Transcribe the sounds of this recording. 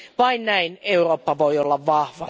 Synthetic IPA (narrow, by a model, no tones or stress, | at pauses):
ʋɑinnæineuroːpːɑʋoiolːɑʋʋɑhʋɑ